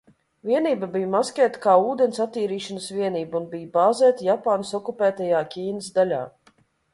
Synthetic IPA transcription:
vʲiɛniːbabijmaskʲɛːt̪kaːuːd̪ɛnsat̪ːiːɾiːʃanəsvʲiɛniːbunbijbaːzɛːt̪japaːnɐsɔkupæːt̪ajaːkʲiːnəsd̪alʲa̰ː

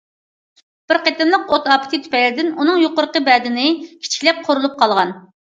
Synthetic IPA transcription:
b̥ɪɾqet̪ɪmlˠəqot̪ɑpʰɪ̥t̪ʰɨt̪ʰy̥pɛlɪd̪ɪnunɨŋjoqʊɾqəbɛd̪ɪnɪkʲʰi̥t͡ʃʰi̥kʲlɛp̚qʰoɾulˠup̚qʰɑlˠʁɑn

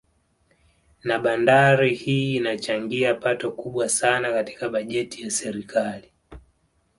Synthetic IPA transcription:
naɓandaɾihiːnat͡ʃaŋɡiapatɔkuɓwasanakati̥kaɓaʄɛtijasɛɾikʰali

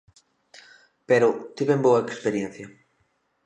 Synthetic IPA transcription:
peɾʊt̪iβemboɐekspeɾjẽn̟θjɐ

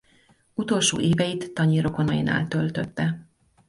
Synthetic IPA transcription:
ut̪o̞lʃo̰ːʔeːvɛjit̪ːɒɲiɾo̞ko̞nɒjina̰ːlt̪ølt̪øt̪ːɛ

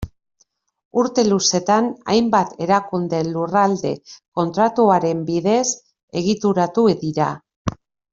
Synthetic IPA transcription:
uɾt̪e̞luse̞t̪ana̰jmbat̪ʰe̞ɾakund̪e̞lurald̪e̞ko̞nt̪ɾat̪uaɾe̞mbiðe̞s | e̞ɣ̞it̪uɾat̪uðiɾa

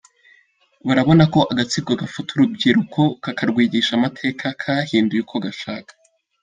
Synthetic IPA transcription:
βaɾaβo̞nako̞ʔaɡat͡siɡoɡafutʰuɾubɟiɾukʰo̞kakaɾɡwiːɡiʃamatʰe̞ːkʰakʰahiːndujukʰoɡaʃaːkḁ

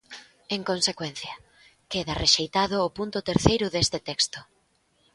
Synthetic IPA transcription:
eŋkonsekwenθjɐ | keðɐreʃejt̪aðʊːpunt̪ʊt̪eɾθejɾʊðest̪ɪt̪ɛkst̪ʊ

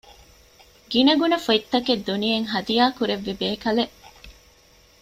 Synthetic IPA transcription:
ɡinɐɡunɐfoit̪ːɐked̪ːunijeŋɦɐd̪ijaːkuɾeʋːibeːkɐleʔ

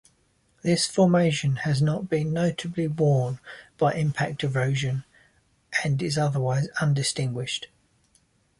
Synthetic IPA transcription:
ðɪsfɔːmeɪʃə̃nəznəʔb̥ĩnːəʊtʰəbliwɔːnb̥aɪʔɪ̃mpʰak̚tʰəvɹəʊʒə̃n | ʔə̃nɪzʌðəwaɪzʌ̃ndɪstɪ̃ŋɡwɪʃt

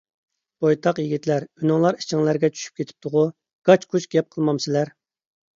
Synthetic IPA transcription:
b̥ojt̪ʰɑqjiɡʲit̪læɾynɨŋlˠɑɾi̥t͡ʃʰiŋlˠæɾɡʲɛt͡ʃʰy̥ʃy̥p̚kʲʰet̪ʰɪ̥p̚t̪ʰʊʁʊ | ɡ̥ɑt͡ʃkʰut͡ʃɡʲɛp̚qʰəlˠmɑmsɪlæɾ

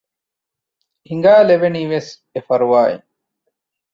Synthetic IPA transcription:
hiŋɡaːleʋeniːʋes | efɐɾuʋaːḭ

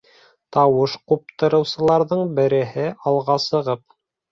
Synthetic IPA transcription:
t̪ɑwɤʃqup̚t̪ɤ̆ɾɤ̆wsɤ̆lˠɑɾðɤɴbɘ̆ɾɘ̆ɦɘʔɑlˠʁɑsɤ̆ʁɤp̚

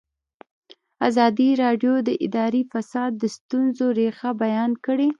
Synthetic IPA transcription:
azɑd̪iɾɑɖjod̪əʔɪd̪ɑɾifasɑd̪ːəst̪unzoɾexabajɑnkəɽe

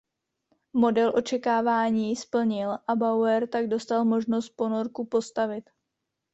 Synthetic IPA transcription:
mo̞dɛlʔo̞t͡ʃɛkaːvaːɲiːspl̩ɲɪlʔabawɛɾt̪aɡdo̞st̪almo̞ʒno̞st̪̚po̞no̞ɾkupo̞st̪avɪt̪

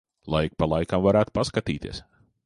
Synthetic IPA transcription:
lˠajk̚palˠajkamvaɾæːt̪paskat̪iːt̪ḭɛs

